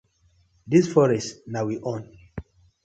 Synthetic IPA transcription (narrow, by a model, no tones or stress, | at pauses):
disfɔɹɛstnawiʔɔ̃n